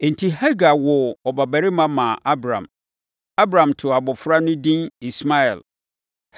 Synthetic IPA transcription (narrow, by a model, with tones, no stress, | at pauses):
e˨n̩˨tʰi˦ɦɛ˦ɡa˨wʊ˨ɔ˨ba˨bæ˨ɾi˦mã˦mã˨ʔa˦bɾã̰˨m | a˦bɾã˨mtʰʊ˨a˨bʊ˨fɾa˦nʊ̃˦dĩ˦ni˨sma˦ɛ̰˨l